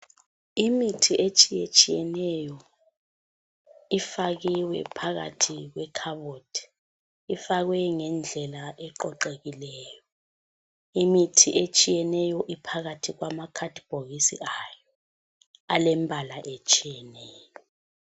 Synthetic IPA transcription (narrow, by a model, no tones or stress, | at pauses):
imitʰiʔet͡ʃʼijet͡ʃʼijɛnɛjɔ | ifaɣ̬iwɛ̰pʰaɣa̰tʰik̬wɛkʰaɓod̥ʰʱʼi̥ | ifak̬wɛŋɛnd͡ɮʱɛlaʔɛǃɔǃeɣilɛːjɔ | imitʰiʔet͡ʃʼijɛnɛjɔʔipʰaɣ̬atʰik̬wamakʰad̥ʱib̥ʱoɣisḭajɔ | alɛmbʱalaʔet͡ʃʼijɛnɛːjɔ